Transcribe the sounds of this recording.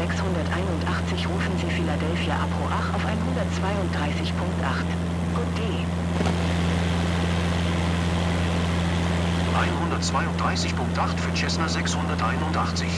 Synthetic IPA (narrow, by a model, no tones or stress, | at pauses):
ɛkshʊndɐtʔaɪnʊntʔaχt͡sɪçʁuːfn̩ziːfiladɛlfjaʔapʁ̥oːʔaχa̰ʊfʔaɪnhʊndɐtt͡sv̥aɪʊnt̚d̥ʁaɪsɪçpʰʊŋk̚tʔaχt | od̥eː | ʔa̰ɪnhʊndɐtt͡sv̥aɪʊntd̥ʁaɪsɪçpʰʊŋk̚tʔaχtfyːɐt͡ʃɛsnazɛkshʊndɐtʔaɪnʊntʔaχt͡sɪç